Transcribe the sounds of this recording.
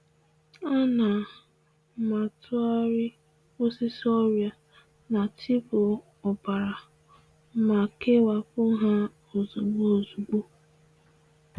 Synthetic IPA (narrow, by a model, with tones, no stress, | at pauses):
a˦na˨ | ma˨tʰʊ˦a˦ɾɪ˦ | o˦si˦sɔ˦ɾja˨ | na˨tʰi˦pʊ˨ | ɔ˨ba˨ɾa˨ | ma˨ke˦wa˨pʊ˦ɦa˦ | o˨zu˨ɡ͡bo˦o˨zu˨ɡ͡bu˦